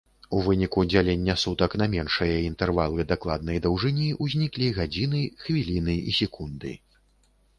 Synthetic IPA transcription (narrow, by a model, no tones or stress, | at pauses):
uvɨnʲikud͡zʲalʲenʲːɐsut̪ɐknɐmʲɛnʂɐjɐint̪ɛrvalˠɨd̪aklˠa̰d̪̚nɐjd̪ɐwʐɨnʲiʔuzʲnʲiklʲiɣad͡zʲinɨxvʲilʲinɨḭsʲɛkund̪ɨ̰